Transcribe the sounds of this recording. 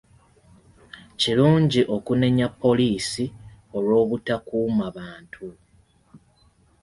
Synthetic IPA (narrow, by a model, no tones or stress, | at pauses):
ciluːɲɟiʔo̞kune̞ɲapːo̞liːsio̞lwo̞ːβutakuːmaβaːntʰu